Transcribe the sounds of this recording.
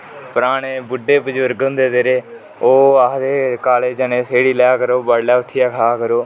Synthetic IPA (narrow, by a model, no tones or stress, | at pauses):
pəɾaːɳeːbʊɖːeːbəd͡ʒʊɾɡʊ̃nd̪eːd̪eːɾeː | oːad̪eːkaːleːd͡ʒənẽːseːɽiːljaːkəɾoːbaːɽlaːʊʈʰɪjaːkʰaːkəɾoː